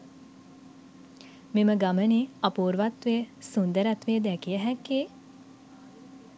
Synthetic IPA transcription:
meməɡaməniapuːɾʋat̪ʋeːsund̪əɾat̪ʋeːd̪ækijəɦɛkːe

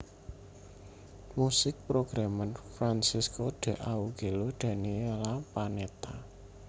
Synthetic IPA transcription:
musɪk̚pɾoɡ̥ɾamanfɾansiskod̪̥e̤ʔauɡ̥e̤lod̪̥ä̤nielapanet̪a

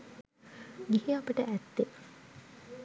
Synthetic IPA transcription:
ɡihiapəʈəʔæt̪ːe

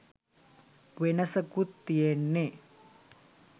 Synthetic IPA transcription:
ʋenɐsɐkut̪ːijenːe

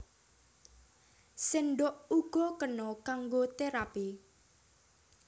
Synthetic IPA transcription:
senɖʊʔuɡ̥ɔkənɔkaŋɡot̪eɾapi

